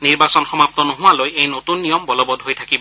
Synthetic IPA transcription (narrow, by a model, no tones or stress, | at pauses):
niɹbasɔnxɔmap̚t̪ɔnɔɦuwalojejnotunːijɔmbɔlɔbɔdɦojt̪ʰakibɔ